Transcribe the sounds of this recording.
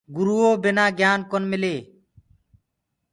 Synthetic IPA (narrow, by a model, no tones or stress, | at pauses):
ɡuɾuoːbɪnaːɡjaːnkɔnmɪleː